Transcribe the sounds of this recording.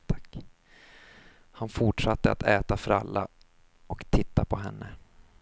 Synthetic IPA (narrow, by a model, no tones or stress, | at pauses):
t̪ʰḁkː | hanfʊʈʂat̪ːəa̰t̪ʰɛːt̪afœɾa̰lːa | ɔkt̪ʰɪt̪ːapʰɔɦɛnːə